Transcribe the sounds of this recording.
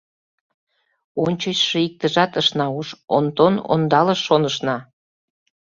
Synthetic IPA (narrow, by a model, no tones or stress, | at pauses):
onʲt͡ɕət͡ɕʃɤ̆ik̚t̪əʒɑt̪əʃnɑuʃo̰nt̪ono̰nd̪ɑləʃːonəʃnɑ